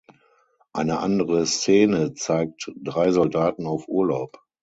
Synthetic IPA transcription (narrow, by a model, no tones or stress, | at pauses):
ʔaɪnəʔandəʁəst͡seːnət͡saɪk̚td̥ʁaɪzɔldaːtn̩aʊfʔuːɐlaʊp